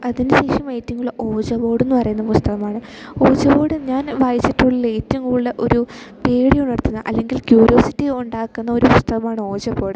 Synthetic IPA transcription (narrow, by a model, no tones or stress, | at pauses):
ɐðinɨɕe̞ːʂɐmejtːiŋɡuɭːɐʔo̞ːd͡ʑɐbo̞ːɽenːɨpɐrɐjunːɐpust̪ɐɣɐmaːɳɨo̞ːd͡ʑɐboːɽɨɲaːnʋaːjit͡ɕːiʈːuɭːɐlejtːiŋɡuuɭːɐʔo̞̰ɾupeːɽijunːiɽt̪ːunːɐʔɐ̰lːe̞ŋɡilkjuːɾijo̞ːsitːiuɳɖaːkːunːɐo̞ɾupust̪ɐɣɐmaːɳɨo̞ːd͡ʑɐbo̞ːɽɨ